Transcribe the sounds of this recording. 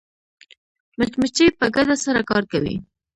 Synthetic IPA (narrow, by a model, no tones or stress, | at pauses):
mʊt͡ʃmət͡ʃepəɡad̪asaɾakɑɾkawḭ